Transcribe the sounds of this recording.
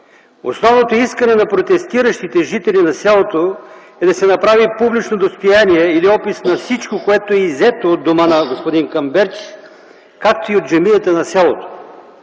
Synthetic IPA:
o̰snɔvnot̪oiskənɛnɐpɾot̪ɛst̪iɾəʃt̪it̪ɛʒit̪ɛlinɐsʲalˠot̪o | ɛd̪ɐsɛnɐpɾavipublit͡ʃnod̪ost̪ojaniɛiliɔpisnɐfsit͡ʃkokoɛt̪oɛizɛt̪oːd̪ːomanɐɡospod̪iŋkɐmbɛɾk | kak̚t̪oiot̪ʒɐmiət̪ənɐsʲalˠot̪o̥

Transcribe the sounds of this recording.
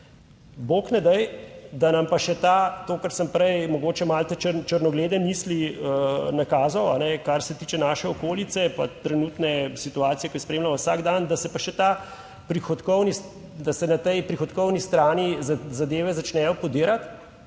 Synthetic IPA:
boːknɛd̪ɛjd̪anɐmpaʃɛt̪at̪oːkaɾsəmpɾɛjmɔɡoːt͡ʃɛmalt̪ɛt͡ʃəɾt͡ʃəɾnɔɡleːd̪ɛmiːsliənakaːzɔwanɛkaɾsɛt̪iːt͡ʃɛnaːʃɛɔkoːlit̪sɛpa̰t̪ɾɛnuːt̪nɛsit̪uaːt̪sijɛkɔjspɾeːmlamɔwsaɡd̪and̪asɛpaʃɛt̪a | pɾixɔt̪kɔwnis | d̪asɛnat̪ɛjpɾixɔt̪kɔwnist̪ɾaːnizad̪eːʋɛzat͡ʃnɛːjɔpɔd̪eːɾat̪

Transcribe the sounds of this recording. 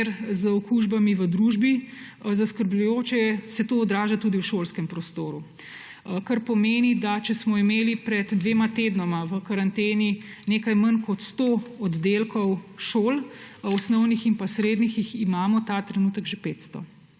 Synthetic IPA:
ɾzəɔkuʒbamiʋəd̪ɾuʒbizaskəɾblʎujoːt͡ʃɛsɛt̪oːd̪ɾaːʒat̪uːd̪iwʃoːlskɛmpɾɔst̪oːɾu | kaɾpɔmeːnid̪at͡ʃɛsmɔimeːlipɾɛd̪d̪ʋeːmat̪ed̪nɔmaʋəkaɾant̪eːninekajmankɔt̪st̪oɔd̪ːelkɔwʃoːlɔsnɔwnixinpasɾeːd̪nixiximaːmɔt̪at̪ɾɛnuːt̪əɡʒepeːt̪st̪ɔ̰

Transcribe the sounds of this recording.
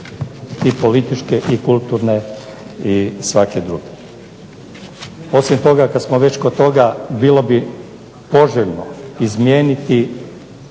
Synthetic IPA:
ipo̞lit̪it͡ʃkeʔikulˠt̪uɾneisʋaked̪ɾṵɡe̥ | o̞simt̪o̞ɡakad̪smoʋe̞t͡ɕkot̪o̞ɡabiːlˠo̞bi | po̞ʒeʎnoizmjeːnit̪i

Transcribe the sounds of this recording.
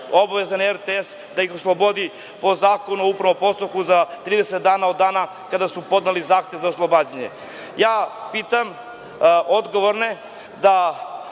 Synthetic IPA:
o̞baʋezaneɾt̪ees | d̪aixoslˠobo̞d̪i | po̞zaːko̞nuupɾaʋopo̞st̪okuzat̪ɾiːd̪eset̪̚d̪aːnao̞d̪ːaːna | kad̪asupo̞d̪nalizaːxt̪je̞ʋzaoslˠo̞baːd͡ʑaɲḛ | jaːpiːt̪am | ʔo̞d̪ɡo̞ʋoɾne | d̪a

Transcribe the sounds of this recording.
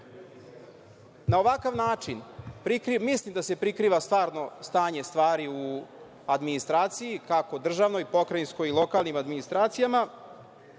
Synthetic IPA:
naoʋakaʋnaːt͡ʂinpɾikɾimislimd̪asepɾikɾiːʋast̪ʋaːɾno̞st̪aːɲe̞st̪ʋaːɾiu | ad̪minist̪ɾaːt̪sijikako̞d̪r̩ʒaʋno̞jpo̞kɾainskojilˠo̞kaːlˠnimad̪minist̪ɾaːt̪sijama

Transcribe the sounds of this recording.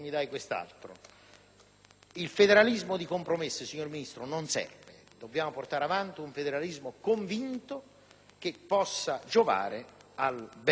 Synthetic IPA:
mid̪ajkwest̪a̰lt̪ɾo̰ | ilfed̪eɾalizmod̪ikompɾomesːɪsiɲːorminist̪ɾʊnonsɛ̰rvḛ | d̪obːjaːmoport̪aɾavant̪iuɱfed̪eɾalizmokoɱvint̪o | k̟ɪpːɔsːad͡ʒova̰ːɾɪalb

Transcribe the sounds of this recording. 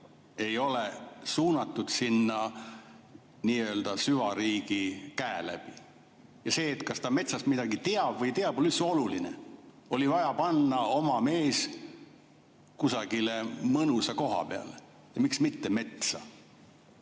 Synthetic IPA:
e̞jo̞lesuːnɑt̪ːˑud̪̥sinːɑ | niːø̞ːld̪̥ɑsyvɑɾiːɡ̥ikæelæ̰b̥i | jɑse̞ːt̪kɑst̪ɑme̞t̪sɑst̪mid̪̥ɑɡit̪eɑb̥vɤjt̪e̞ɑb̥olysuo̞luline | o̞livɑjɑpɑnːɑo̞mɑme̞ːs | kusɑɡ̥ile̞mɤnusɑko̞ɦɑ̰peɑ̰le | jɑmiksmit̪ːeme̞t̪sɑ

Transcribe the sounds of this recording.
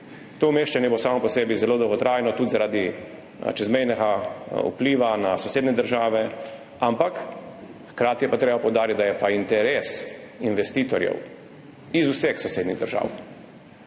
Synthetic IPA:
t̪oːmeːʃt͡ʃanjɛbosaːmɔpɔseːbizɛloːd̪ɔwɡɔt̪ɾaːjnɔt̪ud̪zaɾaːd̪i | t͡ʃɛzmɛjnɛɡaṵpliːʋanasɔseːd̪nɛd̪əɾʒaːʋɛ | ampakxkɾaːt̪ijɛpat̪ɾeːbapɔwd̪aːɾit̪̚d̪ajɛpaint̪ɛɾeːs | inʋɛst̪iːt̪ɔɾjɛ̰w | izusɛxsɔseːd̪niɣd̪əɾʒa̰ːw

